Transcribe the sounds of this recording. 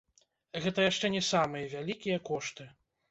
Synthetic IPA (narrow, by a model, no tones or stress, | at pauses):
ɣɛt̪ɐjaʂt͡ʂɛnʲɛsamɨjɐvʲalʲikʲijɐkɔʂt̪ɨ